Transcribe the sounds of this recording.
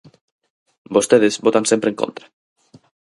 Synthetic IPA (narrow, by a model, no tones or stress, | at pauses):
bost̪eðezbot̪ãnsempɾeŋko̰nt̪ɾḁ